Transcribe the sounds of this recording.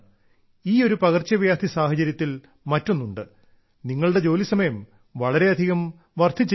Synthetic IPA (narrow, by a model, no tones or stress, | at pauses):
iːo̞ɾupɐɣɐrt͡ɕːɐʋjaːd̪ʱisaːhɐt͡ɕɐɾjɐt̪ːil | mɐtːonːuɳɖɨ | niŋːɐɭɨɽe̞d͡ʑo̞ːlisɐmɐjɐm | ʋɐɭɐɾe̞ɐd̪ʱiɣɐm | ʋɐrt̪ʰːit͡ɕː